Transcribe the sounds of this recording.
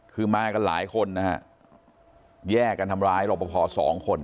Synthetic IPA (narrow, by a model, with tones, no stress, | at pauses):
kʰɯː˧maː˧ka˧nla̰ː˩˦jkʰo˧nːa˦˥kʰa̰˦˥ʔ | jɛː˥˩ka˧nt̪ʰa˧mɾaː˦˥jlo˧˩pːa˧˩pʰɔː˧sɔ̰ː˩˦ŋkʰo˧n